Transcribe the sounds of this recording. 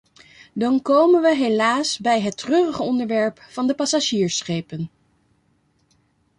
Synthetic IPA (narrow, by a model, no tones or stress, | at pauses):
dɑnkowmənʋəɦelaːsbɛjɦətrøːrəχəɔndəɹʋɛɹpfɑndəpɑsaʒiːɹsχejpən